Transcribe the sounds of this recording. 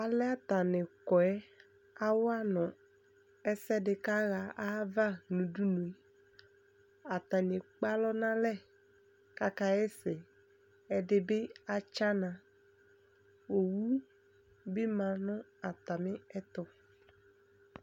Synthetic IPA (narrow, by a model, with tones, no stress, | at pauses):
a˨lɛ˦a˦t̪a˨nɪ̃˨kɔ˨ɛ˦ | a˦wa˦nʊ̃˨ | ɛ˦sɛ˦ɖɪ˨ka˦ɣa˨a˦va˦nũ˨du˦nũ˨e˨ | a˨t̪a˨ɲ˨e˨k͡pa˦lɔ˦nã˦lɛ˦ | ka˦ka˦ɛ˦sɪ˨ | ɛ˨ɖɪ˨be˦a˨t͡ʃa˦nã˨ | wo˨wu˦ | bɪ˦mã˨nʊ̃˦a˨t̪a˨mɪ̃˦ɛ˦t̪ɔ˦